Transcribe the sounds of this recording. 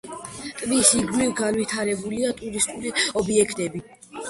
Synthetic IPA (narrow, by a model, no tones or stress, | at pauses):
t̪ʼvisiɡlilɡanvit̪ʰaɾɛbuliat̪ʼuɾist̪ʼuliɔbiɛkʰt̪ʼɛbi